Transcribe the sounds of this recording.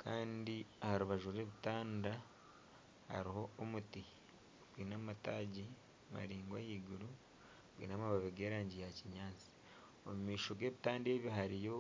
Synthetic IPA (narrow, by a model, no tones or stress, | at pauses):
kʰaːndiahaɾuβaʒuɾe̞ːβitaːnda | ha̰ɾiɦo̞ːmuti | ɡwiːnamataːɟi | ma̰ɾiːŋɡwahiːɡuɾu | ɡwḭːnamaβaβeɡe̞ːɾaːɲɟijaciɲaːnt͡si̥ | omumiːʃo̞ɡe̞ːβitaːndeːβjiɦaɾijo̞